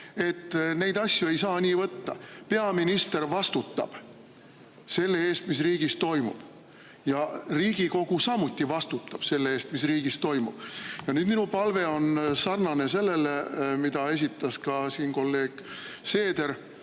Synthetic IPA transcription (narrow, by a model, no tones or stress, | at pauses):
e̞t̪ːne̞jd̪̥ɑsʲjue̞jsɑːnʲiːvɤt̪ːɑ̰pe̞ɑminist̪e̞rvɑst̪ut̪ːɑ̰b̥ | se̞lːe̞e̞ːst̪mis̬riːɡ̥ist̪o̞jmṵb̥ | jɑriːɡ̥iko̞ɡ̥usɑmut̪ːivɑst̪ut̪ːˑɑb̥se̞lːee̞ːst̪misriːɡ̥ist̪o̞jmṵb̥jɑnyːd̪̥minupɑlve̞o̞nsɑrnɑne̞se̞lːe̞lemid̪̥ɑe̞s̬ʲit̪ːˑɑskɑsiːnko̞lːe̞ːɡ̥se̞ːd̪̥e̞ɾ